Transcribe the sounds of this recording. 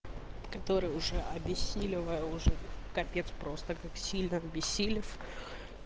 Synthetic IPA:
kɐt̪o̞ɾɨjʊʐɛʔɐbʲɪsʲːilʲɪvəjəʊʐɛkɐpʲet̪spɾo̞st̪əkaksʲilʲnəɐbʲɪsʲːilʲɪf

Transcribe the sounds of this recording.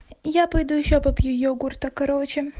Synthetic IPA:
japɐjd̪ujɪɕːopɐpʲjujoɡurt̪ɐkɐɾot͡ɕɪ

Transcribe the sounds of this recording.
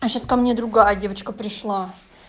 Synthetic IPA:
ɐɕaskɐmnʲed̪ɾʊɡajdʲe̞vət͡ɕkəpɾʲɪʂlˠa

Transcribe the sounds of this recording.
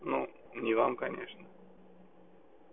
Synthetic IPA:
nu | nʲɪvamkɐnʲḛʂnə

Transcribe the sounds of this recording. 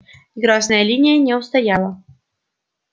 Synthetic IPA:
ɡɾɑznajalʲinʲɪjənʲɛust̪ɐjɑlˠə

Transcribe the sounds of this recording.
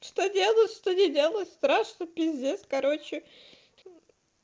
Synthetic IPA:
ʂt̪odʲe̞lˠət̪ʂt̪onʲɪdʲe̞lˠət̪ʲst̪ɾaʂnɨpʲɪzʲeskɐɾo̞t͡ɕːɪ

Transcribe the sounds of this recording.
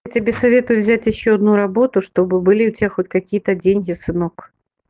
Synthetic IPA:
tʲɪbʲesɐvʲet̪ʊjʊvzʲætʲjɪɕːoɐd̪nuɾɐbot̪ʊʂt̪obɨbɨlʲiʊtʲaxot̚ʲkɐkʲijət̪ədʲenʲɡʲɪsɨnok

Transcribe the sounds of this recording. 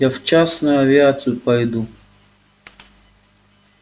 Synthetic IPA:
aft͡ʃasnʊjuɐvʲɪat̪sɨjupɐjd̪u

